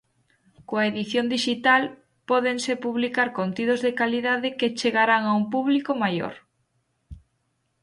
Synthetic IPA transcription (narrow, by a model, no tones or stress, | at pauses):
koaeðiθjond̪iʃit̪al | pɔðeŋsepuβlikaɾkont̪ið̞ozðekaliðaðɪket͡ʃeɣaɾaŋaumpuβlikomajo̰ɾ